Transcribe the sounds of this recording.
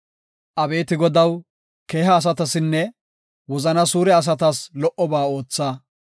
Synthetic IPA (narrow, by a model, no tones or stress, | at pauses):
ʔɐbe̞ːt̪ɪɡɔd̪ɐw | ke̞ːɦɐːs̬ɐt̪ɐsɪnːɛ | wɔzɐnɐsuːɾɛɐs̬ɐt̪ɐslɔʔɔbaːo̞ːt͡sːaː